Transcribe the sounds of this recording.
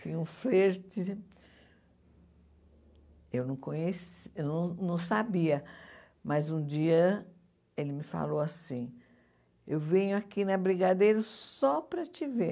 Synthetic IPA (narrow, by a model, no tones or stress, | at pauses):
fĩɲũfleɾt͡ʃɪ | ewnɐ̃w̃kõɲesewnɐ̃w̃nɐ̃w̃sabiɐ | mɐzũd͡ʒiɐ | elɪmɪfa̰lowasĩ | ewvẽɲʊakinɐbɾiɡad̪ejɾɐsɔpɾɐt͡ʃive